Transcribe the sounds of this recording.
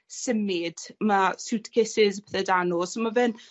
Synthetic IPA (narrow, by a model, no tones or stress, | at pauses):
sɪmid̥masuwtʰkʰɪsɪzpɛθɛdanɔsomavɪn